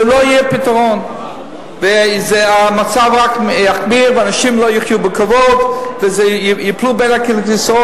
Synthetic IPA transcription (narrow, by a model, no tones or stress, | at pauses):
lojipitaʁon | vezɛamat͡savʁakaχbiʁvəanaʃimlojiχjubəkavodvɪzɛjiplubenakilitisʁo